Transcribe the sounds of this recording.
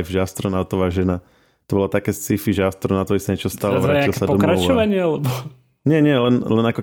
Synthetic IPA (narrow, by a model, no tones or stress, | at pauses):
jvʒɛast̪ɾɔnaʊt̪ɔʋaːʒɛna | t̪ɔbɔlat̪akɛːst͡sifiʒɛast̪ɾɔnaʊt̪ɔisaɲɛt͡ʃɔst̪aːlɛʋɾaːailˠsad̪pɔɔmɾat͡ʃɔʋaɲɪɛalɛbɔ | ɲɪɛɲɪɛlɛnlɛnakɔ